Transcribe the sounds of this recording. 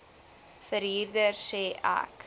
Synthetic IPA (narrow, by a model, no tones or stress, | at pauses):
fəɾɦiːrdərseːʔæ̰k